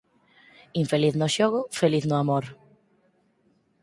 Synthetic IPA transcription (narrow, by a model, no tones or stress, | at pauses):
iɱfeliθnʊʃoɣʊfeliθnʊamoɾ